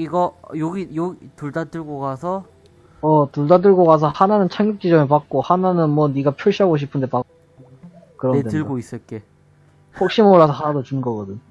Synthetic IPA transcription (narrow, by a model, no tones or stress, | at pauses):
iɡʌjoɡijoɡituɭdat͈ɯɭɡokasʰʌ | ʌtuɭdat̬͈ɯɭɡokas̬ʰʌhananɯnt͡ɕʰaŋjuk̚t͡ɕ͈id͡ʑʌmep̬ak̚k͈ohananɯnmwʌniɡapʰjuɭɕ͈iɦaɡoɕ̬ʰipʰɯndepak͈̚ | o | kɯɾʌedwɯɭɡois͈ɯɭk͈e̞ | ɸok̚ɕ͈imoɭːasʰʌhanadot͡ɕunɡʌɡʌdɯɲ